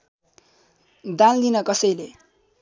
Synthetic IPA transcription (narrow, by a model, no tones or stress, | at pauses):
d̪ãld̪inʌkʌsʌjle